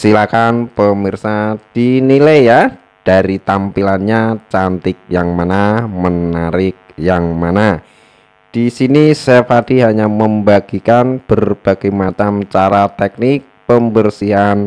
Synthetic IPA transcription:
silakanpəmirsad̥inilajːa | d̥aɾit̪ampilanɲat͡ʃant̪ɪk̚jaŋmanamənaɾɪk̚jaŋmana | d̥isinisepadiɦaɲaməmbaɡ̥ikanb̥ərb̥aɡ̥ajmat͡ʃamt͡ʃaɾat̪ɛk̚nɪk̚pəmbərsiɦan

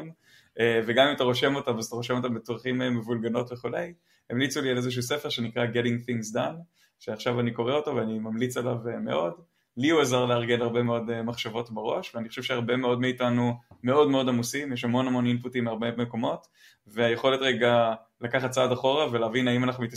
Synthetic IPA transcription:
m | eveɡamimataʁo̞ʃe̞mo̞tamazt̪aʁoʃemo̞tambetoʁχimemevulɡano̞tveχule̞j | emlit͡sulialezeʃ̬uuːsefeʁʃenikʁaɡeɾiŋɡθiŋsdan | ʃeaχʃavaniko̞ʁeotoveanimamlit͡selaveme̞̰ʔo̞d | liuezaʁleaʁɡe̞naʁbe̞meo̞demaχʃavo̞tbeʁo̞ʃveaniχo̥ʃevʃeaʁbe̞me̞o̞dmeitanume̞o̞dme̞o̞d̪amusimjeʃhamo̞nhamo̞ninputimːeaʁbe̞meko̞mo̞t | veajeχo̞letʁeɡa | lakaχat̚t͡saːdaχo̞ʁaveleːvinaimanaχnumit̪

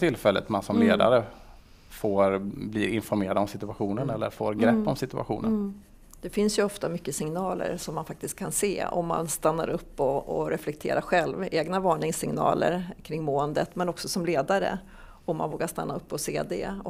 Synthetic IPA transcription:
t̪ʰɪlfɛlːət̪mansɔmleːd̪a̰ɾə | foːɾbliːɾɪnfɔɾmeːɾad̪ɔmsɪt̪ɵaɧuːnənɛlːəɾfoːɾɡɾɛpːɔmsɪt̪ɵʔa̰ɧṵːnən | d̪̥ɛfɪnsjɵɔft̪amʏkːəsɪŋnɑːlə̰ɾʂɔmːanfak̚t̪ɪst̪̚kʰːanseːɔ̰mːa̰nst̪anːa̰ɾɵpːɔɔɾʔɛflɛk̚t̪ʰḛːɾaɾɧɛlveːɡnavɑːɳɪŋsɪŋnɑ̰ːlə̰ɾkʰɾɪŋːmoːənd̪ət̪mɛnɔksɔsɔmleːd̪aɾə̰ | ɔmːa̰nvoːɡaʂt̪anːaɵpːɔseːd̪ɛ̰

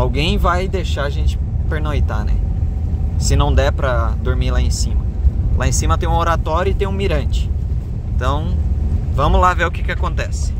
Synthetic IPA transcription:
awɡẽj̃vajd̪eʃaɾaʒẽnt͡ʃɪ̥peɾnojt̪anɛ̰ | sɪnɐ̃w̃d̪ɛpɾɐd̪oɾmilaẽsĩmɐlʔaẽsĩmɐt̪ẽj̃ũoɾat̪ɔɾjʊɪt̪ẽj̃ũmiɾɐ̃nt͡ʃɪ̥ | ẽt̪ɐ̃w̃vɐ̃mʊlaveɾʊkɪkɪakõnt̪ɛsɪ̥

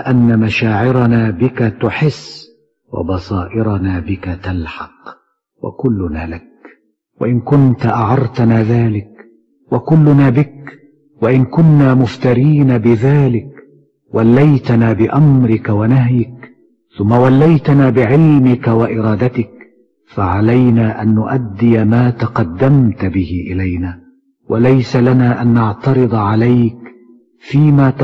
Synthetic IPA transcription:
ʔanːamaʃaːʕɪɾanaːbɪkat̪ʊħɪsː | wɑ̰bɑsˤɑːʔɪɾanaːbɪkat̪alħɑq | wa̰kʊlːʊnaːlak | wa̰ʔɪnkʊnt̪ʔaʕɑɾˤt̪anaːðaːlɪk | wakʊlːʊnaːbɪk | waʔɪnkʊnːaːmʊft̪ɑɾiːnabɪðaːlɪk | walːajt̪anaːbɪʔamɾɪkawanaɦjɪk | θʊmːawalːajt̪anaːbɪʕɪlmɪkawaʔɪɾˤɑːd̪at̪ɪk | faʕalajnaːʔanːʊʔad̪ːɪjamaːt̪ɑqɑd̪ːamt̪bɪhɪʔɪlajnaː | wʔalajsalanaːʔanːɑʕt̪ɑɾɨd̪ˤɑʕalajk | fiːmaːt̪

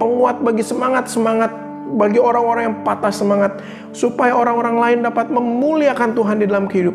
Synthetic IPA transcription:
əŋuat̪̚baɡisəmaŋat̪̚səmaŋat̪̚ | baɡioɾaŋoɾaŋjaŋpat̪asəmaŋat̪̚ | supajaoɾaŋoɾaŋlaɪndapat̪̚məmmːuliakant̪uɦandidalamkəhidup

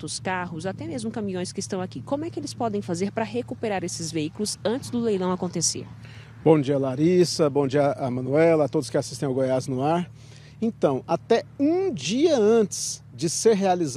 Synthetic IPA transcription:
t̪ʊskaɦʊzat̪ɛmezmʊkɐ̃mĩõj̃skɪɪst̪ɐ̃w̃akikõmʊɛkɪelɪspɔd̪ẽj̃fazeɾpɾɐɦekupeɾaɾesɪzveikulʊzɐ̃nt͡ʃɪzd̪ʊlejlɐ̃w̃akõnt̪esḛɾ | b̥õd͡ʒiɐlaɾisɐbõd͡ʒiɐʔɐmɐ̃nuɛlɐat̪od̪ʊskɪasist̪ẽj̃awɡojaznʊaɾ | ẽt̪ɐ̃w̃at̪ɛũd͡ʒiɐɐ̃t͡ʃɪ̥sd͡ʒɪseɾɦealiz

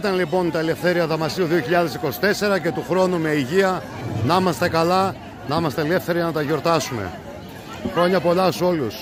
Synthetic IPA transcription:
t̪ɐnlipo̞nt̪ɐele̞fθe̞ɾiɐðɐmɐsiuðio̞çiʎɐðe̞siko̞si̥t̪e̞se̞ɾɐce̞t̪uxɾo̞nume̞iʝiɐ | nɐimɐst̪e̞kɐlɐ | nɐimɐst̪eele̞fθe̞ɾiʝɐnɐt̪ɐʝo̞ɾt̪ɐsume̞̰ | xɾo̞ɲɐpo̞lɐso̞lus

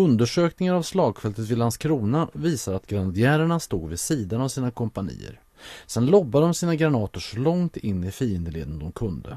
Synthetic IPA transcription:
ɵnd̪əʂøːknɪŋaɾavslɑːɡfɛlt̪ət̪vɪlanskʰɾuːnaviːsad̪at̪ɡɾand̪ɪæːɾaɳast̪uːɡvɪsiːd̪anavsiːnakʰɔmpanḭːə̰ɾ | sɛnlɔbːad̪ɔmsiːnaɡɾanɑːt̪ʊʂɔlɔŋt̪ʰɪnːɪfɾiːɪnd̪əɭḛːd̪nd̪ɔmkʰɵnd̪ə̰

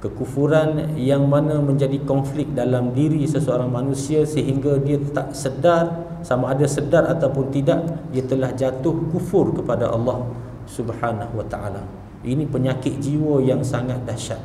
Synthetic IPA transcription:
kəkufuɾanjaŋmanãmə̃ɲd͡ʒadikɔnflɪk̚dalamdiɾisəsəoɾaŋmanũsiasəɦiŋɡadiat̪aʔsədar | samaːdasədaɾat̪awpʊnt̪idaʔdiat̪əlahd͡ʒat̪ʊhkufʊrkəpada̰ʔɑ̰lːɑh | subhanahwat̪aʔa̰la | ʔinĩpəɲakɪt̪̚d͡ʒiwəjaŋsaŋat̪̚daʃaʔ̪̚

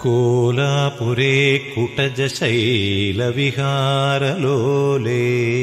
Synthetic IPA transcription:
kolapuɾeːkuʈɐd͡ʒɐʃɐjlɐʋiɦaːɾɐloːleː

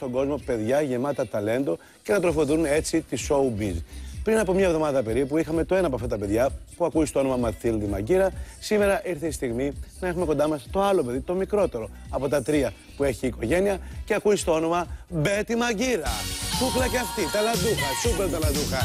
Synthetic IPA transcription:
st̪o̞ɡo̞zmo̞pe̞ðʝɐʝe̞mɐt̪ɐt̪ɐle̞nd̪o̞ | ce̞nɐt̪ɾo̞foðune̞t͡sit̪iso̞ubizpɾinɐpo̞mɲɐevðo̞mɐðɐpe̞ɾipuixɐme̞t̪o̞e̞nɐpoɐft̪ɐt̪ɐpe̞ðʝɐpuɐkust̪o̞o̞no̞mɐmɐθilðimɐ̰ɟiɾɐsime̞ɾɐʔiɾθeist̪iɣminɐe̞xume̞kond̪ɐmɐst̪o̞ɐlo̞pe̞ðit̪o̞mikɾo̞t̪e̞ɾo̞ɐpo̞t̪ɐt̪ɾiɐ | pue̞çiːko̞ʝe̞niɐce̞ɐkuist̪o̞o̞no̞mɐbe̞t̪imɐɟiɾɐθuklɐceɐft̪it̪ɐlɐd̪uxɐsupeɾt̪ɐlɐnd̪uxɐ

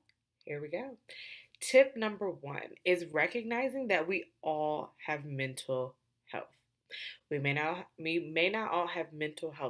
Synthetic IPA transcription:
hiɹwiɡoʊtʰɪp̚nʌ̃mbə˞wʌ̰̃nɪzɹɛkɨɡ̚naɪzɪ̃ŋðɨt̚wiʔɔlˠɨvmɛ̃ntʰl̩ˠ | hɛ̰lˠθ | wimeɪnɨimeɪnəɾʔɔlˠɨvmɛ̃ntʰˡl̩ˠɦɛlˠ

